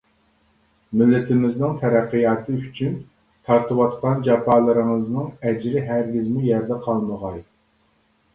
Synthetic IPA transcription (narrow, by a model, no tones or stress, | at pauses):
mɪlːɪt̪ʰɪmɪznɨŋt̪ʰɛɾæqːɨjɑːt̪ʰɨyt͡ʃʰyn | t̪ʰɑɾt̪ɨwɑt̪qɑnd͡ʒɑpʰɑːlˠəɾɨŋɨznɨŋɛd͡ʒɾɪɦæɾɡʲɪzmujɛɾd̪ɛqʰɑlˠməʁɑj